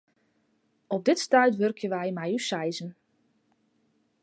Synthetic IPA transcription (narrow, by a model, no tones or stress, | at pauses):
ɔb̚dɪtstœɥtʋørkʰjənʋɛjmɛjysɛjzən